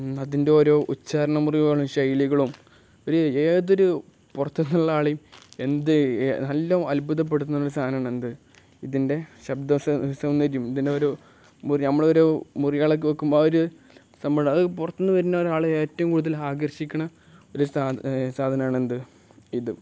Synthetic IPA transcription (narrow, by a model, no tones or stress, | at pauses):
ɐðinde̞o̞ːɾo̞ːʔut͡ɕːaːɾɐɳɐmurijɐːɭumɕɐjliɣɐɭum | o̞ɾueːðo̞ɾu | purɐt̪ːunːuɭːɐaːɭijme̞nd̪ɨnɐlːɐmɐlbʱuðɐp̬ːe̞ɽut̪ːunːɐoɾust̪ʰaːd̪naːɳend̪ɨ | iðinde̞ɕɐbd̪ɐssɐmnːɐɾijumiðindeoːɾoː | murnɐmːɐɭoɾoːmurijaːɭɐk̬ːɨʋɐkːumbooɾu | sɐmbɐɐðɨpurɐt̪ːunːɨʋɐɾunːɐoɾaːɭɨeːtːɐʋumkuːɽuðɐlaːɡɐrɕikʲːɐɳɐ | o̞ɾusasaːd̪ʱɐnɐmaːɳend̪ɨ | iðɨ